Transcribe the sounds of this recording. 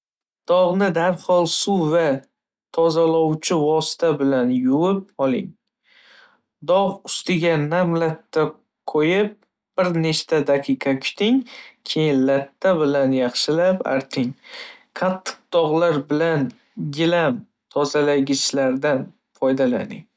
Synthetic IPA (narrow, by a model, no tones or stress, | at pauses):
d̪̥ɒʁnɪd̪aɾhɒlˠsuva | t̪ʰɒzalɒwt͡ʃʰɪvɒsɪ̥t̪ʰabɪlanjʊwɪp̚ɒlˠɪŋ | d̪ɒʁʊst̪ɪɡʲanamlat̪ːa | qʰojɪp̚ | b̥ɪɾneʃt̪ad̪aqʰɨqʰɑkʲʰʊ̥t̪ʰɪŋkʲʰejɪnlat̪ʰːabɪlanjɑχʃɪlapa̰ɾt̪ʰɪŋqʰɑt̪ʰːɨ̥q̚d̪̥ɒʁlaɾbɪlan | ɡʲɪlam | t̪ʰɒzalaɡʲɪʃlaɾd̪an | fɒjd̪ala̰nɪ̰ŋ